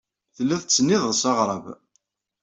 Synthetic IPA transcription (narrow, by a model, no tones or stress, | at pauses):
θəlːæθt͡sːənːɪðˤəsɑʁɾˤɑv